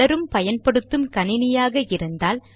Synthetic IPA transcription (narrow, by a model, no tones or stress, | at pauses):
ɐɾɯmpɐjɐnpɐɽɯt̪ːɯmkɐnɪnɪjaːɣɐɪɾɯnd̪aːl